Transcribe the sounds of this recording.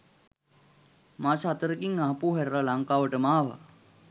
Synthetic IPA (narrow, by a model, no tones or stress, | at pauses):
maːsɦat̪əɾəkiŋaɦapuːɦɛɾɾalaŋkaːʋəʈəmaːʋa̰